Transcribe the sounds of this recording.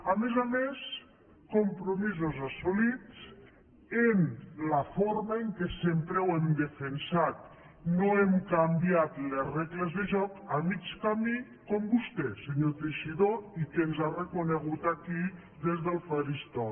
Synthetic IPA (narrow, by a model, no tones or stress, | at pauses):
amezames | kompɾomizozasolit͡s | enlafoɾmaeŋkesempɾewemd̪efensat̪̚ | noemkambjat̪lezreɣlezðeʒɔkamit͡ʃkami | kombust̪eseɲot̪ɾiʃiðoikenzarekoneɣut̪aki | ðezðəlˠfaɾist̪ɔ